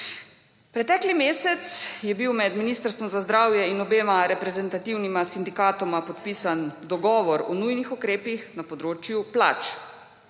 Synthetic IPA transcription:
pɾɛt̪ɛːklimeːsɛt̪sjɛbiwmɛd̪miniːst̪əɾst̪ʋɔmzazd̪ɾaːwjɛinɔbeːmaɾɛpɾɛzɛnt̪at̪iwnimasind̪ikaːt̪ɔmapɔt̪piːsand̪ɔɡɔːʋɔɾɔnujnixukɾeːpixnapɔd̪ɾoːt͡ʃjupla̰ːt͡ʃ

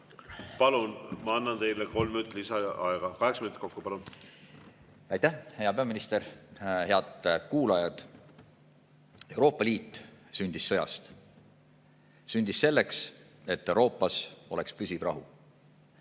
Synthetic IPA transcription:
pɑlunmɑɑnːɑnt̪e̞jleko̞lmːinyt̪lisɑɑeɡ̥ɑkɑɦeksminut̪ko̞kːupɑlun | ɑjt̪æhhejɑpe̞ɑminist̪e̞ɾhe̞ɑd̪̥kuːlɑjɑd̪̥ | e̞wɾo̞ːpːˑɑliːt̪ːˑsynʲd̪̥isːɤ̞jɑ̰st̪ | synʲd̪̥isːe̞lːe̞ks | e̞t̪ːewɾo̞ːpˑːɑso̞le̞kspysʲiv̥rɑ̰ɦu

